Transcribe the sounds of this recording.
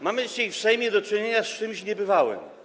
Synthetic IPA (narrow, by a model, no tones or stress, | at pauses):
mamɘd͡ʑit͡ɕajfsɛjmʲjɛd̪ɔt͡ʂɘɲeɲast͡ʂɘmɕɲɛbɘvawɘ̰m